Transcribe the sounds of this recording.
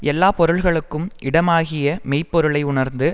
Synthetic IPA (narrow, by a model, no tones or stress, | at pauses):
ɛlːaːpɔɾɯɭɣɐɭɯkːɯmʔɪɽɐmaːɣɪjɐmɛɪpːɔɾɯɭɐɪʊɳɐɾnd̪ɯ